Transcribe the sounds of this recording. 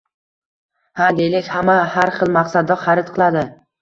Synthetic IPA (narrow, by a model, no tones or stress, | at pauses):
had̪ejlɪkʲhamahaɾχɨlˠmaqsad̪ɒχaɾɪt̪qʰɨlˠad̪ɪ